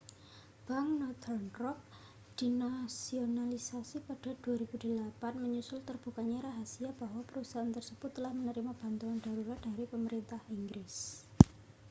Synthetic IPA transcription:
b̥aŋnɔt̪ʰərnrɔk̚ | d̪̥inasionalisasipaɖ̥a̤d̪̥uaɾib̥ud̥i̤lapanməɲusʊlt̪ərb̥ukaɲaɾaɦasiab̥ahwapəɾusaant̪ərsəb̥ʊt̪ːəlahmənəɾimab̥a̤nt̪uŋand̥a̤ɾuɾat̪̚d̥a̤ɾipəməɾint̪ahiŋɡɾɪs

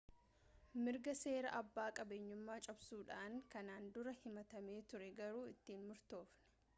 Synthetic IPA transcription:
mɪɾɡɐse̞ːɾɐʔɐbːaːkʼɐbeːɲːʊmːaːt͡ʃʼɐbsuːᶑaːŋkɐnaːnd̪ʊɾɐhɪmɐt̪ɐme̞ːt̪ʊɾɛɡɐɾuːɪt̪ːiːnmʊɾt̪o̞ːfnɪ̥

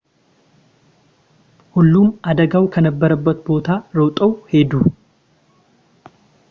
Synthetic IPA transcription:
hulːunʔad̪əɡawkʰənəbːəɾəbːət̪bo̞t̪ʰaɾəwt̪ʼəwhe̞d̪u

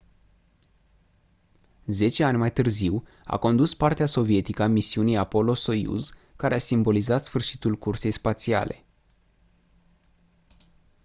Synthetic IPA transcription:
ze̞t͡ʃe̞anʲmajt̪ɨrziw | a̰ko̞nd̪uspart̪easo̞vie̞t̪ikəamisiunijapo̞lo̞so̞jṵzkaɾeasimbo̞lizat̪sfɨrʃi̥t̪ulkurse̞jspat̪sia̰lʔe̞̰

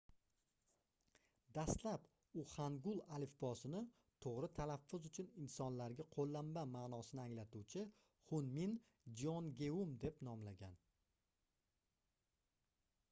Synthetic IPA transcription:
d̪ast̪lap | ʊχaŋɡʊlˠalɪfbɒsɪnɪ | t̪ʰoʁɾɪt̪ʰalafːʊzʊt͡ʃʰʊnɪnsɒnlaɾɡʲaqʰolˠːambamaːnɒsɪnɪaŋlat̪uwt͡ʃʰɪ | χʊnmin | d͡ʒɒnɡʲe̞umd̪e̞pnɒmlaɡʲan

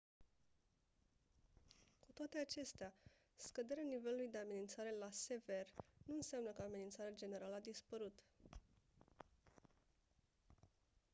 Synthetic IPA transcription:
kut̪oat̪e̞at͡ʃe̞st̪ea | skəd̪e̞ɾeanive̞lulujd̪e̞ame̞nint̪saɾe̞lase̞ve̞rnuɨnseamnəkəame̞nint̪saɾead͡ʒe̞ne̞ɾaləad̪ispəɾut̪

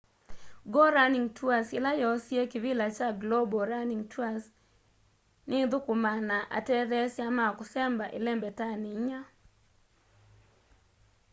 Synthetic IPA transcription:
ɡɔɾaniŋtʰuasɪlajɔsjekɪvɪlat͡ʃaɡlobɔɾaniŋtwas | nɪd̪ʊkʊmanaʔa̰tɛdɛsjamakʊsɛmbaʔɪ̰lɛmbɛtanɪɲa

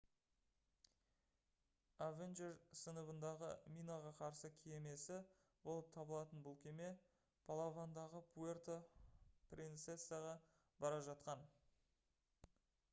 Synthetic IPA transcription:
avenʒeɾsənəbənd̪ɑʁə̰mʲijnaʁɑqʰɑɾsəkʲʰeeme̞sɪ | bo̞lˠəp̚t̪ʰɑbəlˠɑt̪ənbʊlˠkʲʰe̞me̞ | pʰalˠavand̪ɑʁəpʰuert̪oprʲint̪sesːɨjaʁɑ | bɑɾɑʒɑt̪̚qɑn

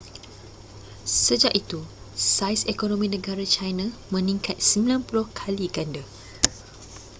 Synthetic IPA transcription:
səd͡ʒaʔit̪u | sajsekonõmĩnə̃ɡaɾat͡ʃajnãmə̃nĩŋkʰat̪̚səmilanpulʊhkʰaliɡanda

